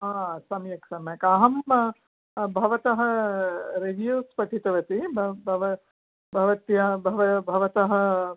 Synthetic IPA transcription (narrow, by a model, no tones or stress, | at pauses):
ɦaːsɐmjɐksɐmɐkaːɦɐm | bʱɐʋɐt̪ɐɦɐ̆ | ɾeʋjuːspɐʈʰit̪ɐʋɐt̪ibɐbʱɐʋɐ | bʱɐʋɐt̪jɐbʱɐʋɐbʱɐʋɐt̪ɐɦɐ̆